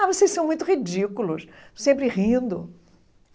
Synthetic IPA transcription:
avosejsɐ̃w̃mũj̃t̪ʊhid͡ʒikulʊssẽmpɾɪʁĩd̪ʊ

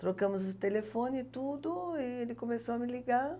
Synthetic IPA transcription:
t̪ɾokɐ̃mʊzʊt̪elefõnɪt̪ud̪ʊɪelɪkomesowɐmɪliɡaɾ

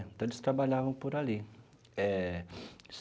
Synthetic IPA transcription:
ẽnt̪ɐ̃w̃elɪst̪ɾabaʎavɐ̃w̃poɾali | ɛ | s

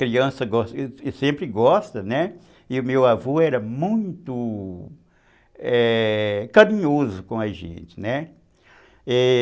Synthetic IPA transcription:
kɾiɐ̃sɐɡɔssẽmpɾɪɡɔst̪ɐnɛ | ɪʊmewavoɛɾɐmũj̃t̪ʊ | ɛkaɾĩɲozʊkõɐʒḛ̃t͡ʃɪnɛ | ɛ

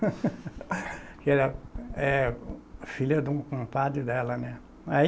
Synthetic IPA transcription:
kɪɛɾɐɛ | filɐd̪ũkõpad̪ɾɪd̪ɛlɐnɛ | a

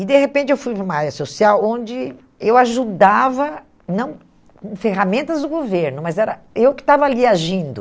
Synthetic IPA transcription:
ɪd̪eɦepẽnt͡ʃɪewfujɾũmɐaɾjɐsosiawõnd͡ʒɪ | ewaʒud̪avɐ | nɐ̃w̃ | kõfeɦamẽnt̪ɐzd̪ʊɡoveɾnʊmɐzɛɾɐewkɪ̥t̪avɐaliaʒĩnd̪ʊ

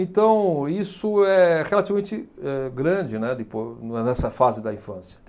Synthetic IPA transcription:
ẽt̪ɐ̃w̃isʊɛhelatt͡ʃivɐmẽnt͡ʃɪɛɡɾɐ̃d͡ʒɪnɛd̪ɪponnɛsɐfazɪd̪ɐĩfɐ̃sjɐ

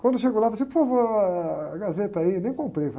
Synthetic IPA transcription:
kwɐ̃nd̪ʊʃeɡowlaflɐsĩpovo | ɡazet̪ɐinẽj̃kõmpɾejf

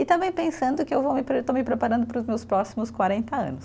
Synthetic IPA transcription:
ɪt̪ɐ̃bẽj̃pẽsɐ̃nd̪ʊkɪewvomɪpɾet̪omɪpɾepaɾɐ̃nd̪ʊpɾʊzmewspɾɔsimʊskwaɾẽnt̪ɐɐ̰̃nʊs

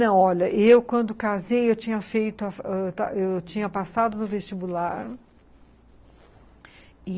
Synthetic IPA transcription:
nɐ̃w̃ɔʎɐʔewkwɐ̃nd̪ʊkazejewt͡ʃĩɲɐfejt̪ʊafɛt̪aewt͡ʃĩɲɐpasad̪ʊnʊvest͡ʃibulaɾ | ɪ

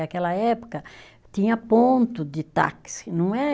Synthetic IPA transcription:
akɛlɐɛpo̥kɐ | t̪ĩɲɐpõnt̪ʊd̪ɪt̪a̰ksɪ̥nɐ̃w̃ɛ

